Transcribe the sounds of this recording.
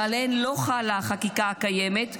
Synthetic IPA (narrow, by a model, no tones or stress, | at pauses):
alenlo̞χalaχakikakajemet̪